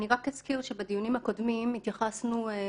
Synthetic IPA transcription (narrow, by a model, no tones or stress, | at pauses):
niʁakeskiʁʃebad̪ijunimhako̞d̪mimit̪jaχasnu